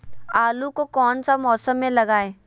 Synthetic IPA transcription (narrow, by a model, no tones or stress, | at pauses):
aːlukokɔːnsamɔːsəmːẽlɐɡaːeː